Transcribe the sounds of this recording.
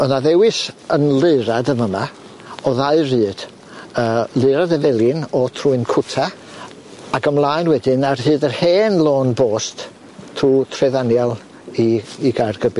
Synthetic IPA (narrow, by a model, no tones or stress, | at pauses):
ənaðɛwɪsənlɨɾadəməma | ɔðaɨrɨːd̥ | əːlˠɨːɾadɛvɛlˠjɪnɔtʰruɨnkʰʊtʰa | aɡəmlˠaːjnwɛdɪnarhɨːdərheːnlˠoːnboːst | tʰruːtʰrɛðanjalˠ | iːɡarɡəbɨ